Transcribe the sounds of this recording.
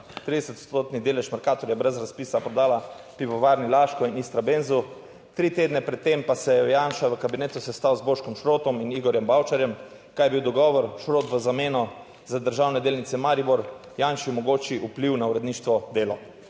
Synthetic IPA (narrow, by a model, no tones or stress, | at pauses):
t̪ɾid̪ɛsət̪o̥st̪oːt̪nid̪eːlɛʃmaɾkaːt̪ɔɾjɛbɾɛzɾaspiːsapɾɔd̪aːla | piʋɔʋaːɾnilaːʃkɔinist̪ɾabenzu | t̪ɾit̪eːd̪nɛpɾɛt̪ːempasɛjɛɔjanʃaʋəkabineːt̪usɛst̪awzboːʃkɔmʃɾoːt̪ɔminiɡɔɾjɛmbawt͡ʃaɾjɛm | kajɛbiwd̪ɔɡɔːʋɔɾʃɾoːt̪ʋəzameːnɔ | zad̪əɾʒawnɛd̪eːlnit̪sɛmaɾibɔɾ | janʃimɔɡoːt͡ʃiʔupliwnauɾɛd̪niːʃt̪ʋɔd̪eːlɔ